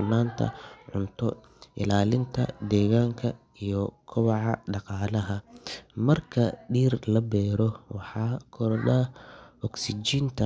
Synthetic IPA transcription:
naːnt̪ʰɐ̰ʕʊnt̪ʰɔ | ʔɪ̰laːlɪnt̪ʰɐ̰d̪ɛːɣaːŋkʰɐ | ijɔkʰɔβɑʕɑ̰ɖɑqɑːlɐɦɐmɐrkʰɐɖiːrlɐbɛːɾɔwɑħɑːkʰɔɾlɐɔksɪt͡ʃiːnt̪ʰɐ

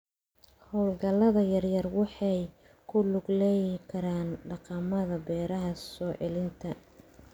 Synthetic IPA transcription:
hɔːlɡɐlɐðɐjɐrjɐrwɑħɑj | kʰʊlʊɡlɛjkʰɐɾaːnɖɑqɑmɐðɐbɛːɾɐɦɐsɔːʕɛlɪnt̪ʰɐ

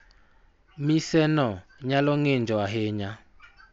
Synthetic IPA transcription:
misɛnɔɲalɔŋend͡ʒɔaɦɪɲa

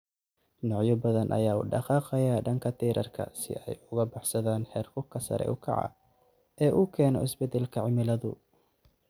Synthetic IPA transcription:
nɔʕjɔbɐðɐnʔɐ̰jaːṵːɖɑqɑːqɛjaːɖɐŋkʰɐt̪ʰiːɾʔɐ̰rkʰɐ̰sɪ̰ɛjʊɣɐbɑħsɐðaːnħɛːrfʊkʰɐsɐ̰ɾɛ̰ʔʊkʰɐ̰ʕɑ̰ | ʔɛːʔʊkʰɛːnɔ̰ɪsbɛd̪ɛlkʰɐʕɪmɪlɐðʊ̰

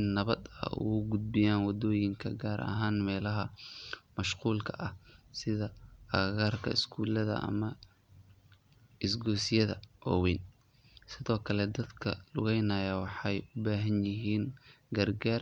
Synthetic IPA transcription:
ɪnːɐβɐd̪ɐ̰ṵɣʊɡʊd̪̚bɪjaːnwɑd̪ɔːjɪŋkʰɐ̰ɡaːɾʔɐ̰ɦaːnmɛːlɐɦɐmɐʃquːlkʰɐʔɐhsɪðɐɐɣaːrkʰɐ̰ɪskʰuːlɐðɐ̰ʔɐ̰mɐ | ɪs̬ɡɔːsɪjɐðɐ̰ʔɔːwɛːn | sɪðɔːkʰɐlɛd̪ɐd̪kʰɐ̰lʊɣɛjnɐːjɐwɑħɑjʊbaːɦɐnjɪɦiːn | ɡɐrɡaːr

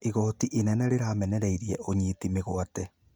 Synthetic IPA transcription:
eɣɔːtiʔenɛnɛɾeɾaːmɛnɛɾɛiɾiɛʔoɲetimeɣoatɛ

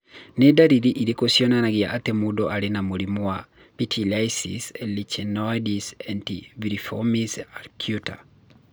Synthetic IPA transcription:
nɛdaɾiɾiʔidekosjonanaɡɪa̰ʔatemudoʔaɾenamoɾimua | pitʰilajsḭsɛlit͡ʃɛnɔjdisantiviɾifomisaɾkʰjuta̰

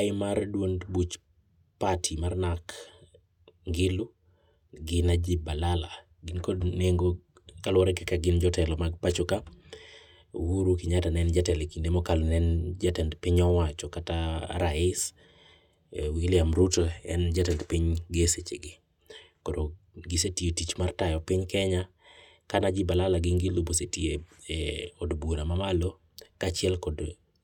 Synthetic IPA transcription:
aɪmardwondbut͡ʃ | patʰimarnak | ŋɡɪlʊ | ɡɪnad͡ʒibalala̰ | ɡɪnkodneŋɡo | kalwɔɾɛkɛkaɡɪnd͡ʒɔtɛlɔmaɡ̚pat͡ʃoka | wuɾukiɲatanɛnd͡ʒatɛlekindemɔkalonɛnd͡ʒatɛndpiɲɔwat͡ʃɔkata̰ɾaɪs | wilɪamɾutoɛ̰nd͡ʒatɛndpiɲɡeset͡ʃeɡɪ | kodo | ɡɪsetietit͡ʃmartajɔpiɲkɛɲa | kanad͡ʒɪbalalaɡɪŋɡɪlobosetie | ɔdbuɾamamalo | kat͡ʃɪɛlkɔd

